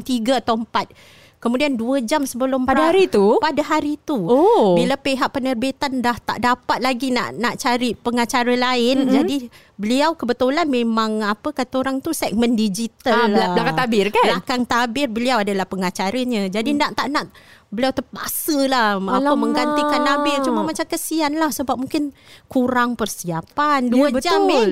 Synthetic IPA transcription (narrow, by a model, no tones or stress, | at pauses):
ŋt̪iɡaat̪awəmpat̪̚ | kəmũdianduəd͡ʒamsəbəlʊmppadaaɾit̪upadaɦaɾit̪uobilapeɦaʔ̚pənərbit̪andaht̪a̰ʔdapat̪̚laɡina̰ʔnaʔt͡ʃaɾipəŋat͡ʃaɾalaɪnd͡ʒadi | bəliawkəbət̪ulanmẽmãŋapəkat̪əoɾaŋt̪usɛk̚məndid͡ʒit̪alakat̪abɪrkalakaŋt̪abɪrbəliawadalahpəŋat͡ʃaɾəɲə̃d͡ʒadindaʔt̪aʔnaʔ̚ | bəliawt̪əpa̰səlahaəmə̃ŋɡant̪ikanːabɪrt͡ʃumamat͡ʃamkəsianlahsəbap̚mũŋkɪnkuɾaŋpərsiapanduabəd͡ʒami